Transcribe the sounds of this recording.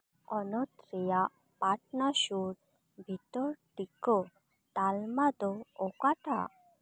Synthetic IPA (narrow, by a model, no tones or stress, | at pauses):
ɔnot̪ɾija | paʈnaʃuɾ | bʱit̪ɔɾʈiko | t̪almad̪oːkaʈʰa̰